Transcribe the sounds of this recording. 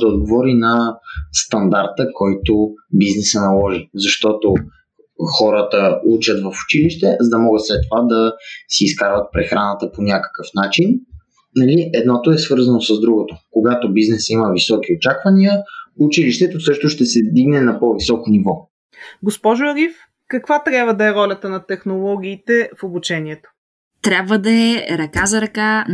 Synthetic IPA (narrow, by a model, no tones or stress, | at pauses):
d̪ɐod̪̚ɡovɔɾinɐst̪ɐnd̪aɾt̪əkʰɔjt̪obiznɛsənɐlˠɔʒizɐʃt̪ɔt̪o | xɔɾət̪əut͡ʃət̪vəfu̥t͡ʃiliʃt̪ɛzɐd̪ɐmɔɡət̪slɛt̪ːovad̪ɐsiːskaɾvət̪̚pɾɛxɾanət̪əponʲakə̥kəfnat͡ʃin | nɐliɛd̪nɔt̪oɛsvɤɾzɐnosəzd̪ɾuɡot̪okoɡat̪obiznɛsiməvisɔk̟iot͡ʃakvɐniəut͡ʃiliʃt̪ɛt̪osɤʃt̪oʃt̪ɛsɛd̪iɡnɛnɐpɔvisɔkonivɔ | ɡospɔʒʊɐɾif | kɐkvat̪ɾʲabvəd̪ɐɛɾɔlʲɐt̪ənɐt̪ɛxnolˠɔɡʲiːt̪ɛfobut͡ʃɛniɛt̪o̥ | t̪ɾʲabvəd̪ɐɛɾɐkazɐɾɐka